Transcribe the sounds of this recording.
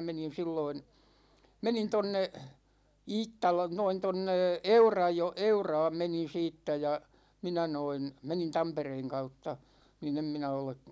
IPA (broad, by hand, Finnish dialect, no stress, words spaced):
menin̞ silːoin̞ menin tonːe iːtːɑlɑ noin tonːe eurɑjo eurɑːm menin̞ siːtːæ jɑ minæ noin menin tɑmpereːŋ kɑutːɑ nin em minæ ole